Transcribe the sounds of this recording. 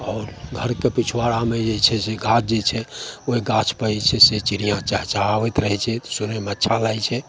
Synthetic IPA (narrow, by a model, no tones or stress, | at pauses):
ɔːɾɡʱəɾkepit͡ʃʰwaɽamed͡ʒet͡ʃʰɛseɡʱat͡ʃʰd͡ʒet͡ʃʰɛoiɡat͡ʃʰpəit͡ʃʰɛset͡ʃiɾijãt͡ʃaɦt͡ʃaɦaʋɛt̪ɾəɦɛt͡ʃʰɛt̪ɔsunɛmətːʃʰalajt͡ʃʰɛ